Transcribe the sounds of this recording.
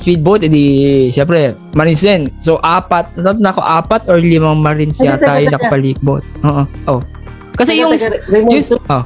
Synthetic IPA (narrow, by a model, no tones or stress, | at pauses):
swid̪̚bot̪ɛd̪iʃɛmpɾɛ | mɐɾɪnsɛnsoʔaːpɐt̪̚ɐt̪at̪nɐɐko̰ʔaːpɐt̪ʔɛɹlɪmɐŋmɐɾɪnsɪat̪aːjonɐkɐpɐliːk̚bot̪̚ʔoːʔoʔo | kɐsɛjʊŋsjʊŋʔo